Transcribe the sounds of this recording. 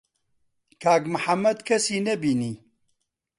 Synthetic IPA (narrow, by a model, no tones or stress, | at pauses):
kʰaːkmɨħɐmːɐd̪kʰɐsiːnɐbiːniː